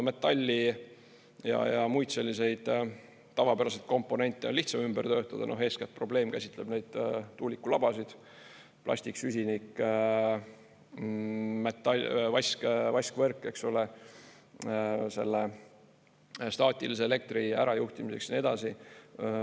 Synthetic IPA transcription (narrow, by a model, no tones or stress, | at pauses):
me̞t̪ːɑlʲːi | jɑ̰jɑmujt̪se̞lʲːise̞jd̪̥ | t̪ːɑvɑpæɾɑset̪̚ko̞mpːˑo̞ne̞nt̪ːˑeonliht̪sɑmymbərt̪ø̞ːt̪ːˑɑd̪̥ɑ̰no̞ɦe̞ːskɑt̪̚pro̞b̥le̞ːmkæsʲi̥t̪ˑle̞b̥ne̞jd̪̥t̪ːuːlʲikːˑulɑb̥ɑsid̪̥ | plɑ̰sʲt̪iksysʲinikː | met̪ːˑɑvɑjskvɑjskvərkːˑe̞ksole | se̞̰lːe | st̪ɑːt̪ʲːˑilis̬eele̞k̚t̪ɾiæɾɑjuht̪imise̞ksnie̞d̪ɑsi